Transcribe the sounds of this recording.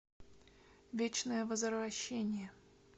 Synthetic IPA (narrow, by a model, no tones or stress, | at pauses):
vʲet͡ɕnəjəvəzəɾvɐɕːenʲɪjə